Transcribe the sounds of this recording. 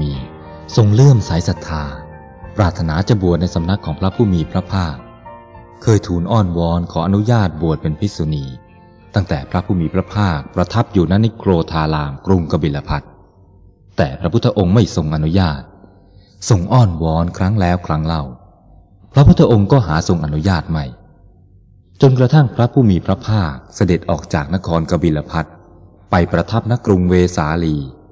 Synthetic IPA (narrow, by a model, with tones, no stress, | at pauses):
iː˧ | so˧ŋlɯ˥˩əmsa˩˦jsa˨˦t̪ʰːaː˧ | pɾaː˨˩t̪ʰːa˧naː˩˦t͡ɕa˨˩bu˨˩ət̪̚na˧jsa˨˦mna˦˥kʰːɔː˩˦ŋpʰɾa˦˥pʰuː˥˩miː˧pʰɾa˦˥pʰaː˥˩k̚ | kʰɤː˧jt̪ʰuː˨˩nʔɔː˥˩nwɔː˦˥nkʰɔː˩˦˥ʔa˧nu˦˥jaː˥˩t̪̚bu˨˩ət̪̚pe˧npʰi˦˥su˧niː˧ | t̪a˥˩ŋt̪ɛː˨˩pʰɾa˦˥pʰuː˥˩miː˧pʰɾa˦˥pʰaː˥˩k̚pɾa˧t̪ʰa˦˥p̚juː˨˩na˦˥na˦˥˩kʰɾoː˧t̪ʰaː˧laː˧mkɾu˧ŋka˧bi˨˩la˧pʰa˦˥t̪̚ː | ɛː˨˩pʰɾa˦˥pʰu˦˥t̪ʰːa˧ʔo˧ŋma˥˩jso˧ŋʔa˧nu˦˥jaː˥˩t̪̚ | so˨˧ŋʔɔː˥˩nwɔː˦˥nkʰɾa˦˥ŋlɛː˦˥wkʰɾa˦˥ŋla˥˩w | pʰɾɔ˦˥pʰu˦˥t̪ʰːa˧˥ʔo˧ŋkɔː˥˩ɦaː˩˦so˧ŋʔa˧nu˦˥jaː˥˩t̪̚ma˥˩j | t͡ɕo˧nkɾa˧t̪ʰa˥˩ŋpʰɾa˦˥pʰuː˥˩miː˧pʰɾa˦˥pʰaː˥˩k̚sa˧de˨˩t̪̚ʔɔː˨˩k̚t͡ɕaː˨˩k̚na˦˥kʰɔː˧nka˧biː˧la˧pʰa˦˥t̪̚ | pa˧jpɾa˧t̪ʰa˦˥p̚na˦˥kɾu˧ŋweː˧saː˩˦liː˧